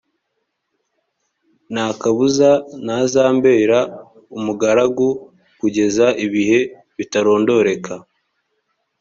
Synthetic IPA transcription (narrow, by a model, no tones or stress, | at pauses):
naːkaβuzanazaːmbe̞ːɾa | umuɡaɾaɡu | kuɟe̞zaʔiβihe̞ | βitaɾo̞ːndo̞ɾe̞kʰa